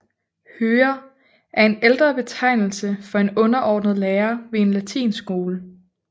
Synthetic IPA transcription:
høːɐ | æɐe̝neld̥ʁɐb̥e̝t͡sʰɑ̈ɪ̰nl̩səfɒ̽e̝nɔ̽nɐʔɒːd̥nəðˠleːɐʋe̝e̝nlæt͡sʰḭːnsɡ̥o̝ːlə

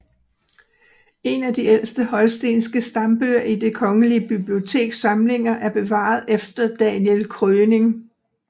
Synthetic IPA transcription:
e̝næd̥iel̰sd̥əhɒ̽lsd̥e̝̰ːnsɡ̥əsd̥ɑ̈mb̥øɐ̰id̥e̝kʰɒ̽ŋəliəb̥ib̥lio̝t͡sʰe̝̰ːɡ̥sɑ̈mle̝ŋɐʔæɐb̥e̝ʋɑ̰̈ːð̞̩ˠefd̥ɐd̥ænjelkʰʁøːne̝ŋ

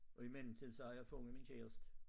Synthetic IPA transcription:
ʔɒ̽imen̰m̩t͡sʰiðˠsɒɑ̈jɑ̈ɪfɔŋəminɕʰḛːɐsd̥

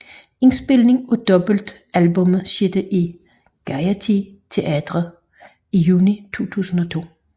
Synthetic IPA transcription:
e̝nsb̥e̝lne̝ŋʰɒd̥ɒ̽b̥l̩d̥ | ælbɔ̽mɕed̥əʔi | ɡ̥æjæt͡sʰit͡sʰe̝ʔæd̥ʁɐ | ijuːnit͡sʰo̝̰ːt͡sʰṵːsn̩ɒ̽t͡sʰo̝̰ː

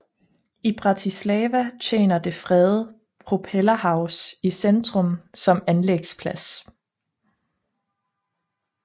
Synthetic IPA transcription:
ib̥ʁɑ̈t͡sʰislɛːʋæt͡ɕʰḛːnɐd̥e̝fʁɛð̩ˠ | pʰʁopʰelɐhɑ̈ʊsisend̥ʁɔ̽msɒ̽mænleɡ̥spʰlæs

